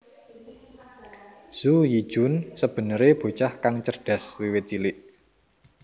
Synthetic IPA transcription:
z̥uji̥ʒ̥ʊ̤nsəb̥ə̤nəɾeb̥o̤t͡ʃahkaŋt͡ʃərɖ̥a̤swiwɪt̪̚t͡ʃilɪʔ

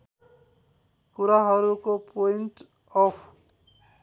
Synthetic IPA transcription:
kuɾaɦʌɾukopojnʈ | ɔpʰ

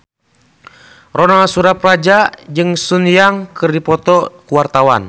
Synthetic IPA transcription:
rɔnalsuɾaprad͡ʒad͡ʒɨŋsunjaŋkɨrdipɔt̪ɔkuwart̪awa̰n

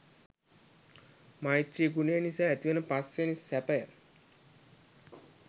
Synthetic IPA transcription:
maiʈɾiɡunəjənisaːæt̪iʋənəpasːenisæpəjə̰

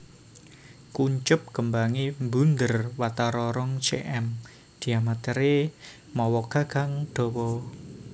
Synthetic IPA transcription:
kuɲt͡ʃʊp̚kəmbaŋimbund̪ərwat̪aɾɔɾɔŋt͡ʃḛʔɛm | d̪̥i̤amat̪ɛɾe | mɔwɔɡ̥a̤ɡ̥a̤ŋd̪̥ɔ̤wɔ

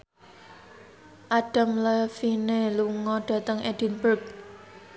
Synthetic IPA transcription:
ʔaɖ̥a̤mləfineluŋɔɖ̥ä̤t̪əŋɛd̥inburk̚

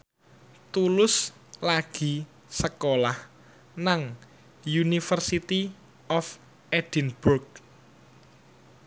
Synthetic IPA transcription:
t̪ulʊs | laɡ̥i̤ | səkolah | naŋ | junifərsit̪i | ɔf | ʔɛd̥inbʊrk̚

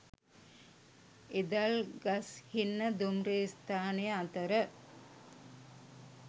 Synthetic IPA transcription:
ed̪alɡɐshinːəd̪umɾeːst̪ʰaːnejəat̪əɾə

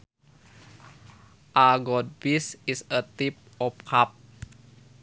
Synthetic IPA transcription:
ʔaɡɔt̚bisisət̪ip̚ɔp̚kʰap̚

